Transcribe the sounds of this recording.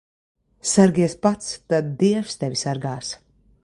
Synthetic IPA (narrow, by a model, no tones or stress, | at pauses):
saɾɡʲiɛspat̪st̪ad̪̚d̪iɛwfst̪ɛvʲisaɾɡaːs